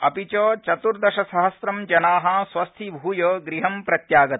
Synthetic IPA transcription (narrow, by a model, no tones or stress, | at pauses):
ɐ̰pit͡ʃoːt͡ʃɐt̪uɾd̪ɐʃɐsɐɦɐsɾɐmd͡ʒɐnaːɦɐ̃ːsʋɐst̪ʰibʱuːjoːɡɾiɦɐmpɾɐt̪jaːɡɐt̪